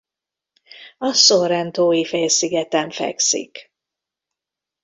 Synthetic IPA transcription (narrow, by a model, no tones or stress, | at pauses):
ɒsoɾɛnt̪oːjifeːlsiɡɛt̪ɛɱfɛ̰ksḭk